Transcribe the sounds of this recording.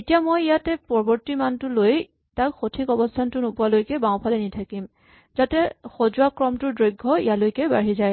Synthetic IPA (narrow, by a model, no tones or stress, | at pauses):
etijamojijatɛpɔɹbɔɹtimantʊloj | takxotʰikɔbɔstʰantʊnopʊalojkɛbawpʰalɛnitʰakim | zatɛxozuakɹɔmtʊdɹojɡʱːɔḭjalojkɛbaɹizaj